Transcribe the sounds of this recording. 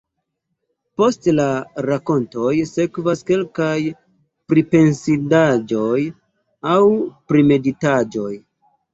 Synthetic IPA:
po̞stlaɾako̞nto̞jse̞kvaske̞lkaj | pɾipe̞nsidad͡ʒo̞j | awpɾime̞ditad͡ʒo̞j

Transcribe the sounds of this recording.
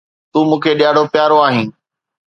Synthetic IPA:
t̪uːmũːkʰeɗɪjaːɽopɪjaːɾoaːɦĩː

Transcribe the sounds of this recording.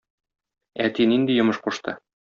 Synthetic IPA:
æt̪inind̪ijŏmɤʃquʃt̪ɤ̰

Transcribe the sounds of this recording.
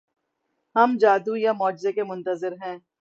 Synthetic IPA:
hɐmd͡ʒaːd̪ujamɔːd͡ʒzekemʊ̃nt̪əzɪɾɦɛ̃ː

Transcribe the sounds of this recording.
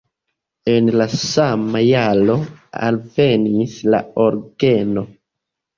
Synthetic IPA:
e̞nlasamajalo̞a̰lve̞nisla̰oɾɡe̞no̞

